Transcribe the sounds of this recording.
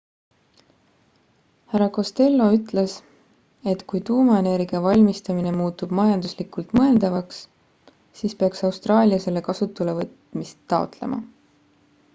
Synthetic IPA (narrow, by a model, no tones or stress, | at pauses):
hæɾɑko̞st̪e̞lːo̞yt̪ˑle̞s | e̞t̪kujt̪uːmɑe̞ne̞ɾɡiɑvɑlʲmist̪ɑmine̞muːt̪ːub̥mɑjɑnd̪uslikult̪mɤe̞ld̪̥ɑvɑks | siːspeɑksɑwst̪rɑːlʲiɑse̞le̞kɑsut̪ːˑule̞vɤt̪mist̪ːɑo̞̰t̪le̞̰mɑ̰